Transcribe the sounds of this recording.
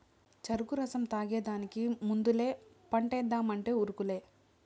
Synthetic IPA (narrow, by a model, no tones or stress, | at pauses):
t͡ʃɐɾukuɾɐsɐmt̪aːɡeːd̪aːnikimund̪ule̞ː | pɐɳʈɛːd̪ːaːmɐɳʈe̞ːuɾukule̞ː